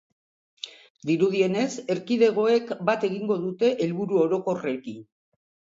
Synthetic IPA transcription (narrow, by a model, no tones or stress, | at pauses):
d̪iɾuð̞ie̞ne̞se̞ɾkiðe̞ɣ̞o̞e̞kbat̪e̞ɣiŋɡo̞ðut̪e̞ʔelβuɾuo̞ɾo̞ko̞rekin